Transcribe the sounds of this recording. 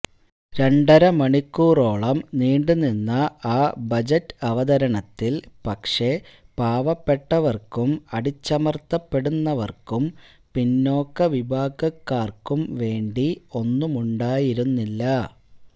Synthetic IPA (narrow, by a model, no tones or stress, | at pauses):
ɾe̞ɳɖɐɾɐmɐɳikːuːro̞ːɭɐmniːɳɖuninːɐaːbɐd͡ʑɐtːɐʋɐd̪ɐɾɐɳɐt̪ːilpɐkʂe̞paːʋɐpːeʈːɐʋɐrkumɐɽit͡ɕːɐmɐrt̪ːɐpːe̞ɽunːɐʋɐrkum | pinːo̞ːkːɐʋibʱaːɡɐkːaːrkumʋe̞ːɳɖio̞nːumuɳɖaːjiɾunːilːɐ